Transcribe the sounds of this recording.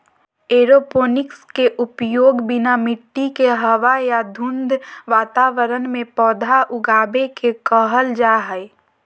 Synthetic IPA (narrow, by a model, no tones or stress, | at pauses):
eːɾopoːnɪkskeʔʊpjoːɡbɪnamɪʈːikeɦəʋajad̪ʱʊ̃nd̪ʱʋaːt̪aʋəɾənmẽpɔːd̪ʱaʔʊɡaːbekekəɦəld͡ʒaːɦəj